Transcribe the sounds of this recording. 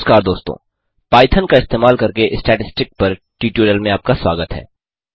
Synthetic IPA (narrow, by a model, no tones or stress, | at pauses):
skaːɾd̪oːst̪õ̰ | paːɪt̪ʰənkaɪst̪eːmaːlkɐɾkeʔɪsʈɛːʈɪsʈɪk̚pɐɾ | ʈiːʈuːɾəlmẽaːp̚kaswa̰ːɡət̪ɦɛ̰ː